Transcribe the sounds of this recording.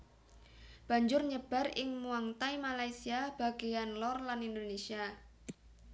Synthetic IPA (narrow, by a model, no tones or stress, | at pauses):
b̥a̤ɲd͡ʒʊrɲəb̥a̤ɾɪ̰ŋmuaŋt̪ajmalajsiab̥a̤ɡ̥ejanlɔrlanind̪onesia